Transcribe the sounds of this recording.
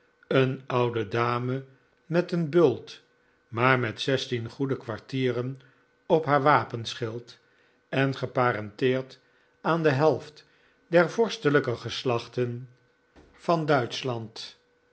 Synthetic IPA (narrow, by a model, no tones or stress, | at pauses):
ənɑwdədaːmə | mɛtənbɵlˠt | maːɹmɛtsɛstinχudəkʋaɹtiːrən | ɔpɦaːɹʋaːpənsχɪlˠt | ɛnχəpaːɾɑntɪːɹt | aːndəɦɛlˠft | dɛɹvɔɹstələkəχəslɑχtən | fɑndœɥtslɑnt